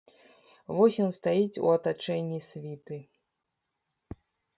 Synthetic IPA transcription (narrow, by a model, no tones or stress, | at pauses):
vɔsʲinst̪ajit͡sʲṵɐt̪at͡ʂɛnʲːisʲvʲit̪ɨ